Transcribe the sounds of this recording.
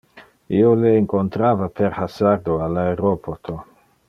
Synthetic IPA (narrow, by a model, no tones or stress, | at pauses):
ioleeŋkontɾavapʰeɾhasaɾd̪oalːaeɾopʰot̪ʰo